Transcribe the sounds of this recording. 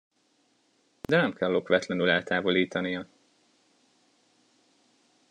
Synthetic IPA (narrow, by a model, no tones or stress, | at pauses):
d̪ɛnɛmkʰɛlːo̞kʋɛt̪lɛnylɛlt̪aːvo̞liːt̪ɒnijɒ